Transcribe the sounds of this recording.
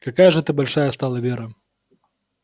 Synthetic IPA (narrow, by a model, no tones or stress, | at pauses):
kakajɐʐɛt̪ɨbɐlʲʂajɐst̪alˠɐvʲeɾɐ